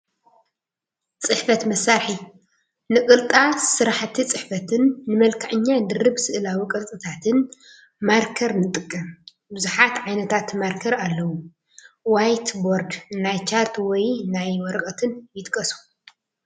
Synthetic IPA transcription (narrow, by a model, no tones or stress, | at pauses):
t͡sʼɨħfɐt̪mɐsaɾħi | nɨkʼɨlt̪ʼasɨɾaħt̪ʰit͡sʼɨħfɐt̪ʰɨnːɨmɐlkʰaʕɨɲːad̪ɨrɨbsɨʔlawikʼɨlt̪ʼɨt̪ʰat̪ʰɨn | maɾkʰɐɾnɨt̪ʼɨkʼːɐm | bɨzuħat̪ʕajnɐt̪ʰat̪maɾkʰɐɾalːɐwu | wajt̪boɾd̪najt͡ʃʰaɾt̪wɔjnajwɔɾɐkʼɐt̪ʰɨnjɪt̪ʼkʼːɐsu̥